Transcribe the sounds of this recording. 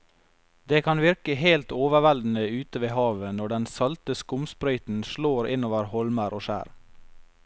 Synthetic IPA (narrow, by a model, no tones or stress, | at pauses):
d̪eːkʰɑnʋɪɾkəheɪlt̪oːʋəʋæld̪n̩əʉːt̪əʋeːhɑːʋənɔɖɛnsɑlt̪əskʊmspɾœʏt̪n̩ʃɭoːɾʔɪnoːʋəɾhɔlməɾʔoːʃæ̰ːɾ